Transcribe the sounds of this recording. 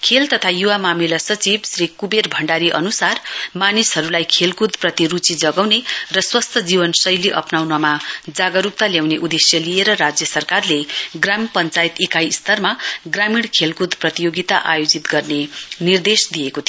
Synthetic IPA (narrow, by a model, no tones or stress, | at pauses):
kʰelt̪ʌt̪ʰajuwamamilasʌt͡sibsrikuberbʱʌɳɖaɾiʔʌ̰nusarmanisɦʌɾulajkʰelkud̪prʌt̪irut͡sid͡zʌɡawnerʌswʌst̪ʰʌd͡zibʌnsʌjliʔʌ̰pnawnamad͡zaɡʌɾuk̚t̪aljawneʔud̪esjʌlijeɾʌɾad͡zjʌsʌrkarleɡrampʌnt͡sajit̪ikajst̪ʌrmaɡramiɽkʰelkud̪prʌt̪ijoɡit̪aʔajod͡zit̪ɡʌrnenird̪esd̪ijekot̪ʰio